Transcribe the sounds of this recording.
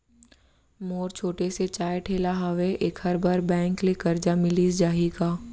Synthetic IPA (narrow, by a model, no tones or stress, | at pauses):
moːɾt͡ʃʰoːʈeset͡ʃaːjʈʰeːlaɦəʋeʔeːkhɐɾbaːɾbɛ̃ːŋklekɐɾd͡ʒamɪlisd͡ʒaːɦiɡaː